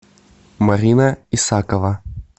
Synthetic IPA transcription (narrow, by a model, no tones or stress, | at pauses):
mɐɾʲinɐisakəvɐ